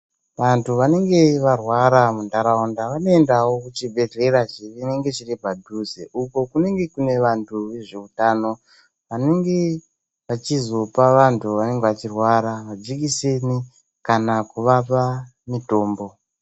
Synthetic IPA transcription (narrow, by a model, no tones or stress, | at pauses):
ʋantʰuʋane̞ŋɡe̞ʋarwaɾamundaɾaundaʋano̞endawo̞kut͡ʃibʱe̞ɮe̞rat͡ʃirine̞ŋɡe̞t͡ʃiripadʱuzeʔuko̞kune̞ŋɡe̞kune̞ʋantʰuʋe̞ʐe̞utano̞ | ʋane̞ŋɡe̞ | ʋat͡ʃizo̞paʋantʰuʋane̞ŋɡeʋat͡ʃirwaɾaʋad͡ʒikise̞ni | kanakuʋapa | mito̞ːmbo̞